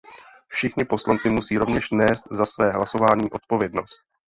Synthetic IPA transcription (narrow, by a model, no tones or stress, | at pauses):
fʃɪxɲɪpo̞slant͡sɪmusiːɾo̞vɲɛʃnɛːst̪zasvɛːɦlaso̞vaːɲiːʔo̞t̪̚po̞vjɛdno̞st̪̚